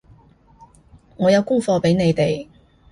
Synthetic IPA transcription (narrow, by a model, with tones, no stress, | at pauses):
ŋɔː˨˧jɐ˨˧wkʊ˥ŋfɔː˧pe˨˥jne˨˧jt̪e˨j